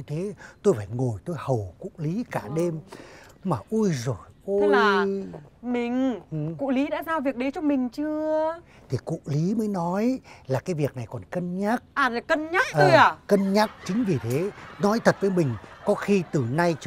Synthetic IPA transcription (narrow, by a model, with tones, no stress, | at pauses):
t̪ʰe˨˦t̪o˧jfaː˧˩jŋo˨˩jt̪o˧jhə˨˩wkṵ˧˨li˨˦kaː˧˩ɗe˧mmaː˨˩ʔu˧jzo˨˩jʔu˧˦laː˨˩ | mï˨˩ŋ̟ʔɨ˨˩kṵ˧˨li˨˦ɗa̰ː˧˥zaː˧wvi˨˩ək̚ɗe˨˦t͡ɕɔ˧ŋ͡mmï˨˩ŋ̟t͡ɕɨ˧ə | t̪ʰi˨˩kṵ˧˨li˨˦məː˨˦jnɔ˨˦jlaː˨˩kaː˨˦jvi˨˩ək̚na˨˩jkɔ˨˩nkə˧nɲaː˦˥k̚ʔaː˨˩˨kə˧nɲaː˦˥k̚ʔəəː˧˨˧jaː˨˩kə˧nɲaː˦˥k̚t͡ɕï˨˦ŋ̟vi˨˩t̪ʰe˨˦nɔ˨˦jt̪ʰə˨˩t̚vəː˨˦jmï˨˩ŋ̟kɔ˨˦xi˧t̪ɨ˨˩na˧jt͡ɕ